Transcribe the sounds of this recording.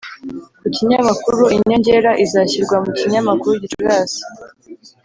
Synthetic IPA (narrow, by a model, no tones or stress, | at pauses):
muciɲamakuɾuiɲo̞ɲɟe̞ːɾaʔizaːçiɾɡwamuciɲamakuɾuɟit͡ʃuɡaːsi̥